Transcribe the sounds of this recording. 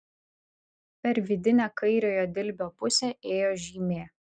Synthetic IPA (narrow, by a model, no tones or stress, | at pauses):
pʲɛɾʲʋʲɪd̪ʲɪnʲɛːkɐɪɾʲoːjoːd̪ʲɪlʲbʲoːpʊsʲeːeːjoːʒʲiːmʲeː